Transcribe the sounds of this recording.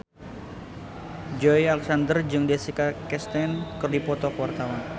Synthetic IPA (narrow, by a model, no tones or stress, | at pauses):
d͡ʒɔialɛksandərd͡ʒɨŋdesikakɛst̪ɛnkərdipɔt̪ɔkəwart̪awan